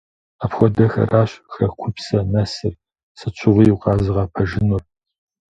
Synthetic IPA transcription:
apxʷɔdɐxɐ̰rʔaːɕxɐkʷʰʊpsɐnɐsɨr | sɨt͡ʃʷʰɪʁʷijuqɑːzɨʁɑpʰɐʒɪnʊr

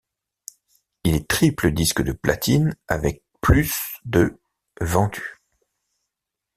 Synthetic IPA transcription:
ilɛt̪χipləd̪iskd̪əpla̰t̪ʰina̰vɛk̚plysd̪ə | vɑ̃t̪y̥

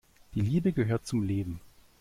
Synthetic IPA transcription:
d̥iːliːbəɡəɦøːɐt̚t͡sʊmleːbm̩

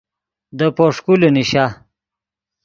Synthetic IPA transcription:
d̪əpoʂkuluniɕa

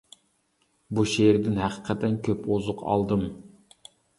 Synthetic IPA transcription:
buʃeɾɪd̪ɪnhæqʰə̥qʰɛt̪ʰɛnkʲʰøpozʊqʰɑ̰lˠd̪ɨm

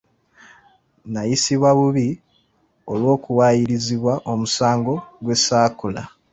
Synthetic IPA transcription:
najisiβwaβuβi | o̞lwo̞ːkuwaːjiɾiziβwaʔo̞musaːŋɡo̞ɡwe̞saːkula̰

